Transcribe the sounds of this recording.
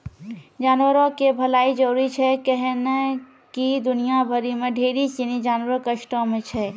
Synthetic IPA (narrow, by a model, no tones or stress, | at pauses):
d͡ʒanʋəɾokebʱəlaid͡ʒəɾuɾit͡ʃʰɛkɛɦne | kid̪unijabʱəɾimeɖʱeɾit͡ʃinid͡ʒanʋəɾəkəʃʈõmet͡ʃʰɛ